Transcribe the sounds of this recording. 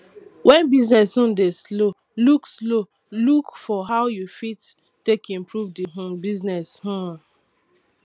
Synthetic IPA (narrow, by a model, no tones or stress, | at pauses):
wʔɛ̃nbiznɛshũn̩deslo | lukslo | lukfɔɦaʊjufitː | ekĩmpɹuvdiɦõmbiznɛshũm